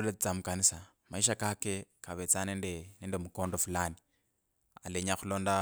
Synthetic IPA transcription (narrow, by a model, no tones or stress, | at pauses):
ulet͡st͡samukanisa | maiʃ̬akake̞kaβet͡sanendenendemuko̞ːndo̞fulani | a̰leɲaxulo̞ːnda